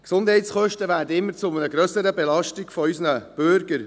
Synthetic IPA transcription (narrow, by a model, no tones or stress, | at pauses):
ksʊnd̥hɛɪtsχœʃtəʋæːɾdəɪmːəɾt͡sʊmənəɡɾœsəɾəbelɑʃtiɡ̥fɔysnəb̥ʏɾɡəɾ